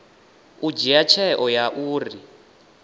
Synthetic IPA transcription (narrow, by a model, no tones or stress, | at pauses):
ud͡ʒijat͡ʃʰɛʔɔjaʔuːri